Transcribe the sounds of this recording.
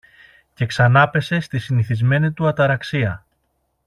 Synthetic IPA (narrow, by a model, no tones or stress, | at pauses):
ce̞ksɐnɐpe̞se̞st̪isiniθizme̞nit̪uɐt̪ɐɾɐksiɐ